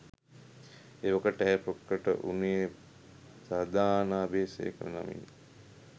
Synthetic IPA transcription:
eʋɐkəʈɛːpɾokːəʈə̰ʔuneje | sad̪ʱaːnaːbeːsḛːkələna̰mḭn

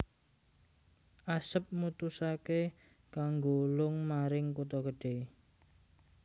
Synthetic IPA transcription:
ʔasəp̚mut̪usake | kaŋɡolʊŋmaɾɪŋkut̪ɔkəɖ̥e

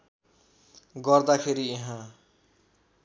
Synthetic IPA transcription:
ɡʌrd̪akʰeɾieɦã

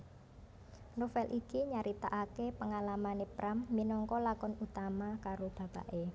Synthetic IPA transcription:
rofɛlʔikiɲaɾit̪a̰ʔakepəŋalamanepɾʔamːinɔŋkɔlakɔnut̪amakaɾob̥a̤b̥a̰ʔe

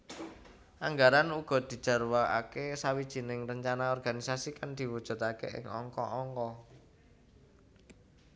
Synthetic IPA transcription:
ʔaŋɡaɾanuɡ̥ɔ̤d̪̥i̤̥ʒ̥a̤rwaa̰kesawid̥ʒ̥i̤nɪŋrəɲt͡ʃanaɔrɡ̥anisasikand̪̥i̤wud̥ʒ̥ṳt̪akḛʔɪ̰ŋɔ̰ŋkɔ̰ʔɔŋkɔ

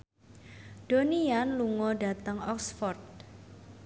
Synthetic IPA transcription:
d̥onianluŋɔɖa̤t̪əŋɔksfɔrd̪̚

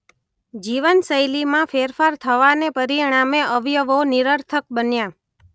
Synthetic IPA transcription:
d͡ʒiʋənsəjlimãfeɾfaɾt̪ʰəʋanepəɾiɽ̃ameʔəʋjəʋoniɾəɾt̪ʰək̚bənjã

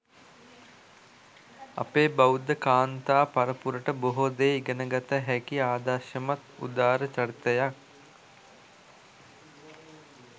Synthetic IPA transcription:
a̰peːbawud̪əkaːnt̪aːpaɾəpuɾəʈəboɦod̪eːiɡənəɡat̪əɦækiaːd̪aʃəmat̪ṵd̪aːɾət͡ʃart̪əjak̚

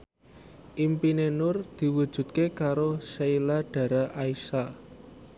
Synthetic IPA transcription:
ʔimpinenʊrd̪̥i̤wud̥ʒ̥ṳt̪̚kekaɾoʃeilaɖ̥a̤ɾaʔaisa

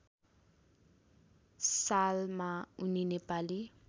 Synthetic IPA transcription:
salmaʊninepʼalɪ

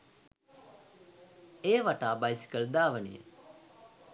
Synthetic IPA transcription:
eːʋaʈaːbajsi̥kəld̪aːʋənḭjḛ

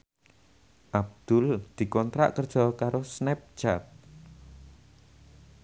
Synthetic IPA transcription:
ʔab̚d̪̥ʊld̪̥i̤kɔnt̪ɾa̰ʔkərd̥ʒ̥ɔ̤kaɾosnɛp̚t͡ʃat̪̚

